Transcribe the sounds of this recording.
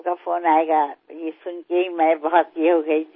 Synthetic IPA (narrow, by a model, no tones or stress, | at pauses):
kafʰoːnaeɡajesʊnkeɦimɛ̃bɔɦɔt̪eɦoɡɐi